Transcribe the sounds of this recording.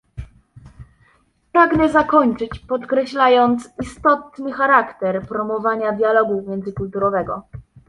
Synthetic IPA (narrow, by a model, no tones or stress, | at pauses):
pɾaɡnɛzakɔɲt͡ʂɘt͡ɕpɔt̪kɾɛɕlajɔnt̪sist̪ɔt̪nɘxaɾakt̪ɛɾpɾɔmɔvaɲad̪ʲjalɔɡumʲjɛnd̪zɘkult̪uɾɔvɛɡɔ